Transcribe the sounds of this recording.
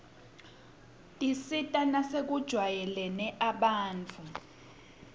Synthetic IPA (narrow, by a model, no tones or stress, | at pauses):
tʼisitʼanasek̬ʼud̥ʒ̥ʱwajɛlɛnɛʔaɓaːnt͡fʰu